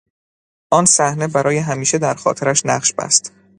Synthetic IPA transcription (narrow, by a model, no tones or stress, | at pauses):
ʔɒːnsæhne̞bæɾɒːje̞ɦæmiːʃe̞d̪æɾxɒ̰ːt̪ʰeɾæʃnæɢʃb̥æ̰st̪